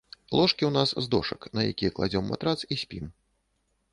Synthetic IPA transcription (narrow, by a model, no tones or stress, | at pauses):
lˠɔʂkʲiwnaszd̪ɔʂɐknɐjakʲijɛklˠa̰d͡zʲɔmːa̰t̪ɾat̪sisʲpʲim